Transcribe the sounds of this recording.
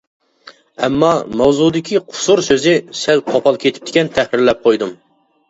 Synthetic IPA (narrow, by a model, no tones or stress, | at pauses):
ɛmːɑmɛwzud̪ɪkʲʰiqʰʊ̥suɾsøzɪsɛlqʰopʰɑlˠkʲʰet̪ʰɪ̥p̚t̪ɪ̥kʲɛnt̪ʰɛhɾɪɾlɛp̚qʰojd̪um